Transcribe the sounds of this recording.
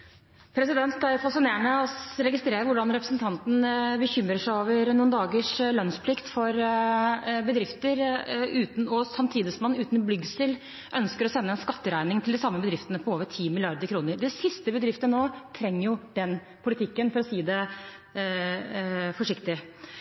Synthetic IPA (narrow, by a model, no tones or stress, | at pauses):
pʰɾɛsɪd̪ɛnt̪æɾfɑsɪneːəɳəɔɾɛɡɪst̪ɾeːɾəɾʋʊɖɑnɾɛpɾə̥snt̪ʰɑnt̪n̩bəçʏmɾəʂæɪoːʋəɾnuːnd̪ɑːɡəʂlœnspʰlɪkt̪fɔɾ | bəd̪ɾɪft̪əɾʉːt̪nɔsɑmt̪ʰiːd̪ɪsɔmɑnʉːt̪nblʏɡsɪl | ʔœnskəɾɔsɛnːəɛnskɑt̪ːəɾæɪnɪŋt̪ʰɪld̪ɪsɑmːəbəd̪ɾɪft̪ənəpʰɔoːʋəʈʰiːmɪlɪɑɾd̪əɾkʰɾuːnəɾd̪ɛsɪst̪əbəd̪ɾɪft̪ənoːt̪ʰɾɛŋːəɾjʊd̪̥ɛn | pʰʊlɪt̪ʰɪkːənfɔlɔsiːd̪ɛ | fɔʂɪkt̪ɪ